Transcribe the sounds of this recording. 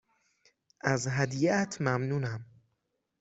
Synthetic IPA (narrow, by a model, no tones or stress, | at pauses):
ʔæzɦæd̪iʔæt̪ʰmæmnuːnæm